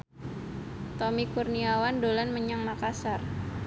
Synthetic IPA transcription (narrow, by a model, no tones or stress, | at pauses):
t̪omikurniawandolanməɲaŋmakasar